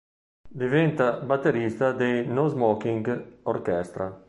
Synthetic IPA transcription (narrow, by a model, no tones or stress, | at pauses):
d̪ivɛnt̪abat̪ːeɾist̪ad̪enozmɔkiŋɡoɾkɛst̪ɾa